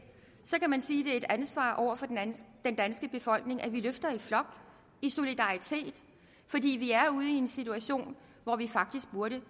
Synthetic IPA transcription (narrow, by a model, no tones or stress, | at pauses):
sɒ̽kʰæmænsiːd̥e̝e̝d̥ænsʋɑ̰̈ːʔɒʊ̰ɐfɒ̽d̥end̥ænsɡ̥əb̥e̝fɒ̽l̰ɡ̥ne̝ŋʔæʋiløfd̥ɐiflɒ̽ɡ̥ | iso̝lid̥ɑ̈ʁit͡sʰe̝̰ːd̥ | fɒ̽d̥ḭːʋiæɐuð̞̩ˠie̝nsit͡sʰuæɕo̝̰ːn | ʋɒʋifɑ̈ɡ̥̚d̥isɡ̥̚b̥uɐɾə